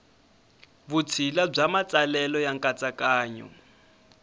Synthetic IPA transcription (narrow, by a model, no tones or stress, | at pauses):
βut͡sʰilab͡ʐamat͡sʼalɛlɔjaŋkʼat͡sʼakʼaːɲɔ̰